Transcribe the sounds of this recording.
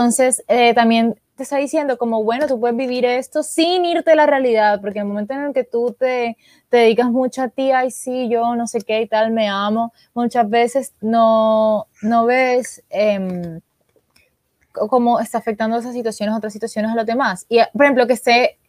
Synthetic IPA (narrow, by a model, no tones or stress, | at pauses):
t̪o̞nse̞set̪ambje̞nt̪est̪aðisje̞nd̪o̞ko̞mo̞βwe̞no̞t̪up̬we̞ðeβiβ̞iɾe̞st̪o̞siniɾt̪elarealiðaðpoɾk̬enelmo̞me̞nt̪oene̞lke̞t̪ut̪e | t̪e̞ðeðikasmut͡ʃoat̪iajsiʝo̞no̞se̞keit̪alme̞amo̞ | mũt͡ʃazβe̞se̞sno | no̞βe̞sem | kko̞mo̞est̪aːfe̞k̚t̪and̪oes̬asːit̪wasjonesot̪ɾasːit̪wasjo̞nesalo̞zðe̞masiapoɾehemplokest̪e̞